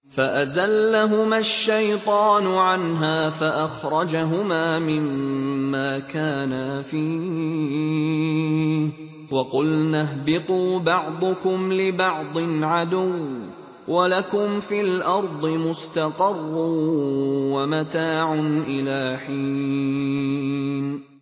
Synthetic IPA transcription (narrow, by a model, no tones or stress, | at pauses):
faʔazalːaɦʊmaʃːajt̪ˤɑːnʊʕanɦaːfaʔaxɾˤɑd͡ʒaɦʊmaːmɪmːaːkaːnafiː | wɑqʊlnaɦbɪt̪ˤuːbɑʕd̪ˤʊkʊmlɪbɑʕd̪ˤɨnʕad̪ʊw | walakʊmfiːlʔɑɾˤd̪ˤɨmʊst̪aqɑrˤːuːwamat̪aːʕʊnʔɪlaːħiː | n